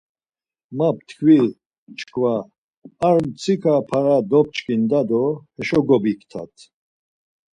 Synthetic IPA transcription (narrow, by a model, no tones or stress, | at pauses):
map̚t̪ʰkʰvi | t͡ʃʰkʰvaː | ɾmt͡sʰikʰapʰaɾad̪ɔp̚t͡ʃʼkʼind̪ad̪ɔhɛʃɔɡɔbikʰt̪ʰa̰t̪ʰ